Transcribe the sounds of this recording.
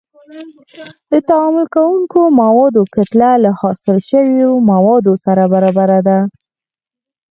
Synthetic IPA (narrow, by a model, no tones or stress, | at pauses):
d̪ət̪aɑmʊlkawuŋkomawɑd̪okat̪lalahɑsɪlʃəwjomawɑd̪osaɾabaɾɑbaɾad̪a